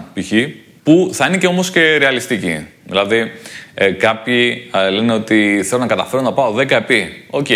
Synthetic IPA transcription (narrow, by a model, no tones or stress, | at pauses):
piçi | puθɐine̞ceo̞mo̞sce̞ɾeɐlist̪icḭðḭlɐði | kɐpçileneo̞t̪iθe̞lo̞nɐkɐt̪ɐfe̞ɾonɐpɐo̞ðekɐepio̞ce